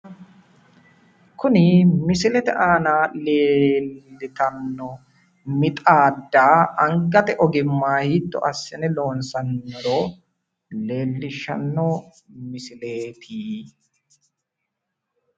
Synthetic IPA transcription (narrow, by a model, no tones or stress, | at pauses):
kʊnɪmɪsɪlɛt̪ɛʔaːnaːleːlːɪt̪ɐnːɔ | mɪt̪ʼaːd̪ːaːɐŋɡɐt̪ɛʔɔɡɪmːaːhiːt̪ːɔ̰ʔɐsːɪnɛloːnsɐnːɔɾoː | le̞ːlːɪʃɐ̰nːɔ | mɪsɪleːt̪ʰiː